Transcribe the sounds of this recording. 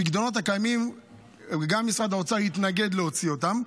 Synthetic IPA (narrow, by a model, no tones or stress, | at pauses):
iɡd̪ono̞t̬hakajmim | ɡamːisʁad̪aot͡sahit̪naɡe̞d̪leo̞t͡sio̞t̪am